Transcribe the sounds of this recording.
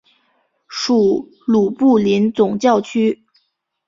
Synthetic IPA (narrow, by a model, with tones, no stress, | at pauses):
ʂu˨˩ | lu˨˩pu˥˩li˧˥nt͡sʊ˨˩ŋt͡ɕjɑ˥˩ʊt͡ɕʰy˥